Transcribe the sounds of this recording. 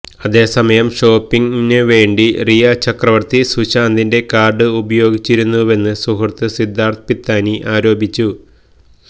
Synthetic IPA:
ɐðe̞ːsɐmɐjɐmʂo̞ːpːiŋinɨʋe̞ːɳɖirijat͡ɕɐkrɐʋɐrt̪isuɕaːnd̪inde̞kaːrɖɨubɐjo̞ːɡit͡ɕːiɾunːuʋe̞nːɨsuɦɐrt̪ɨsid̪ʱːaːrt̪ʰɐpit̪ːaːniʔaːɾo̞ːbit͡ɕːu

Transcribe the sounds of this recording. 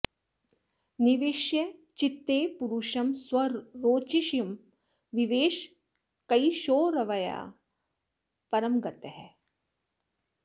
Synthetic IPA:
niʋɪʃjɐt͡ʃɪt̪ːeːpuɾuʃɐmswɐɾoːt͡ʃiʃjɐm | ʋiʋeːʃ | kɐiʃoːɾɐʋɐja̰ː | pɐɾɐmɡɐt̪ɦɛ

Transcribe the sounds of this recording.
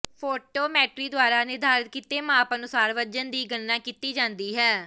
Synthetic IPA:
pʰoːʈoːmɛːʈɾiːd̪ʊaːɾaːneːd̪aːɾət̪̚kiːt̪eːmãːpənʊsaːɾʋəd͡ʒənd̪iːɡənːãːkiːt̪iːd͡ʒãːnd̪iːɦɛː

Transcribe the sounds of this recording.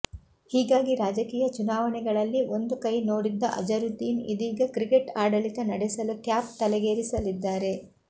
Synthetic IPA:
hiːɡaːɡiɾaːd͡ʒɐkiːjɐt͡ʃunaːʋɐnɛɡɐɭɐlːio̞nd̪ukɐjnoːɽid̪ːɐʔɐ̰d͡ʒɐɾut̪iːnḭd̪iːɡɐkɾikeʈaːɽɐlit̪ɐnɐɽɛsɐluʈjaːp̚t̪ɐlɛɡeːɾisɐlid̪ːaːɾe̞

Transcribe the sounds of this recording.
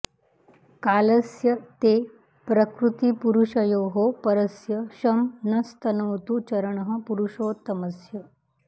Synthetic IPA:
kaːləsjɐt̪e | pɾɐkɾut̪ipuɾuʂɐjoːɦopɐɾəsjɐɕɐmnɐst̪ɐnoːt̪ut͡ɕɐɾəɳɦəpuɾuʂoːt̪ɐməsjɐ

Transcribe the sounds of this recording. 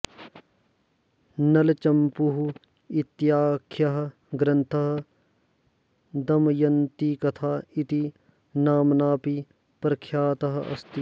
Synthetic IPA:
nɐlt͡ʃɐmpuɦu | it̪jaːkʰjɐɦɐ | ɡɾɐ̃nt̪ʰɐɦɐ̆ | d̪ɐmjɐnt̪ikɐt̪ʰaːit̪i | naːmnaːpi | pɾɐkʰjaːt̪ɐɦɐɐ̰st̪i

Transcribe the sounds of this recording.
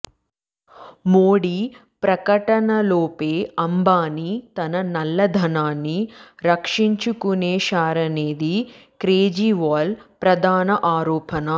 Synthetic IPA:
moːɽi | pɾɐkɐʈɐnɐloːpeːɐmbaːnit̪ɐnɐnɐlːɐd̪ʱɐnaːnːiɾɐkʂiɲt͡ʃukuneːʃaːɾɐneːd̪i | kɾeːd͡ʒiʋaːlpɾɐd̪ʱaːnɐʔaːɾɔːpɐnɐ

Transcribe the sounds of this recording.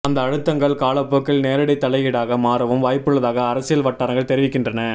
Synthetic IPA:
ɐnd̪ɐːɻɯt̪ːɐŋɡɐɭkaːlɐpːɯkːɪɭneːɾɪɽɐɪt̪ːɐlɐjɪɽaːɣɐmaːɾɯʋɯmʋaːjpːɯɭːɐðaːɣɐːɾɐsɪjɐlʋɐʈːaːɾɐŋɡɐɭt̪ɛɾɪʋɪkːɪndrɐnɐ

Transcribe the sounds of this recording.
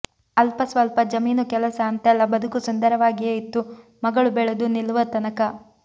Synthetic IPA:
ɐlpɐsʋɐlpɐd͡ʒɐmiːnukɛlɐsɐːnt̪ɛlːɐbɐd̪ukusund̪ɐɾɐʋaːɡieːit̪ːu | mɐɡɐɭubɛɭud̪unilːuʋɐt̪ɐnɐkɐ

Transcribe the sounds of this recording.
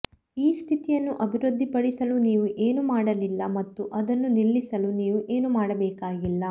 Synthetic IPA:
iːst̪ʰit̪ijɐnːuʔɐbʱiɾud̪ʱːipɐɽisɐluniːʋuʔe̞ːnumaːɽɐlilːɐmɐt̪ːuʔɐd̪ɐnːuniɭːisɐluniːʋuʔe̞ːnumaːɽɐbɛːkaːɡilːɐ

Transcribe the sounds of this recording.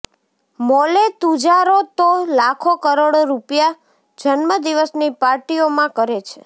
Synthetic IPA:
molet̪ud͡ʒaɾot̪olakʰokəɾoɽoɾupja | d͡ʒənməd̪iʋəsnipaɾʈiomãkəɾet͡ʃʰe

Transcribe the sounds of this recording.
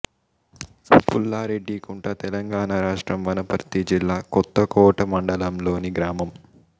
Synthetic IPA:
pulːaːɾeɖːikuɳʈɐt̪ɛlɐŋɡaːnaːɾaːʂʈɾɐmʋɐnɐpɐɾt̪id͡ʒilːaːkɔt̪ːɐkɔːʈɐmɐɳɖɐlɐmlo̞ːniɡɾaːmɐm

